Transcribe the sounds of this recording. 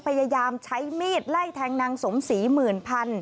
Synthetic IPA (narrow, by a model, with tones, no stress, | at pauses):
pʰa˧ja˧jaː˧mt͡ɕʰa˦˥jmiː˥˩t̪̚la˥˩jt̪ʰɛː˧ŋna˧ŋso˩˦msi˩˦mɯː˨˩npʰa˧n